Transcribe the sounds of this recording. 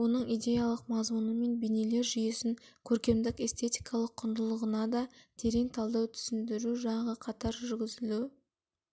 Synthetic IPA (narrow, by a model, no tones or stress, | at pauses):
wo̞nəɴijd̪ʲe̞jalˠəqmɑzmunəme̞nbejnele̞ɾʒʏjesɪŋkʲʰɵɾkʲe̞md̪ɪke̞st̪ʰe̞t̪ijkʰɑlˠəqʰːʊnd̪əlˠəʁənɑd̪ɑt̪ʰe̞ɾe̞ŋt̪ʰɑlˠd̪ɑwt̪ʰʏ̥sɪnd̪ɪɾuʒɑɴɑʁəqʰɑt̪ɑɾʒʏɾɡʲɪzɪlu